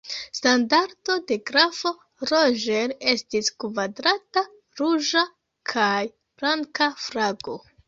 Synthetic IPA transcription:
standaɾdo̞de̞ɡɾafo̞ | ɾoʒene̞stiskvadɾata | ɾuʒa | kʰaj | b̥laŋkafɾaɡo

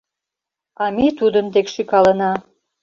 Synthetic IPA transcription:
ɑmit̪ud̪ənt̪ekʃykɑlənɑ

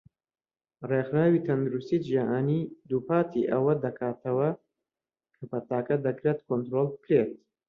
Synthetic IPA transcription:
rexɾaːwit̪ʰɐnd̪uɾust̪id͡ʒaʔaːniːd̪upaːt̪ʰiʔɐwɐd̪ɐkʰaːt̪ʰɐwɐ | kʰɐpʰɐt̪aːkɐd̪ɐkɾet̪kʰont̪ɾolˠbɨkɾet̪̚

